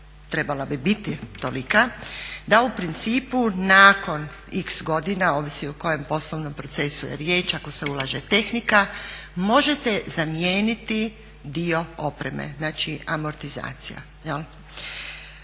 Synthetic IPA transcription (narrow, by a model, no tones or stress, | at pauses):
t̪ɾe̞balabibit̪it̪olikad̪aupɾint̪siːpunaːko̞n | iksɡo̞d̪inaoːʋisiuko̞je̞mpo̞slˠoʋnompɾo̞t̪se̞sujḛɾjeːt͡ʃako̞se̞ulˠaːʒe̞t̪e̞xnikamo̞ʒe̞t̪e̞zamjeːnit̪i | d̪io̞o̞pɾḛmḛznaːt͡ʃiamo̞ɾt̪iza̰ːt̪sija̰ | jel